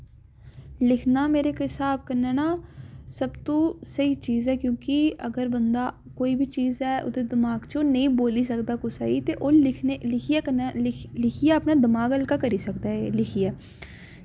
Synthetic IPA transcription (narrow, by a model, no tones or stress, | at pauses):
lɪkʰnaːmeːɾeːkɪsaːb̚kənːɛːnaːsəbt̪õːsəiːt͡ʃiːzɛːkjõːkɪəɡəɾbənd̪aː | koːiːbʱiːt͡ʃiːzɛːʔo̰d̪eːd̪ɪmaːɡt͡ʃoːnəĩːboːliːsəkd̪aːkʊsa̰ːiːt̪eːʔoːɪkelɪkʰiɛkəlɪkʰijaːəpnaːd̪əmaːɡəlkaːkəɾiːsəkd̪aːelɪkʰijaː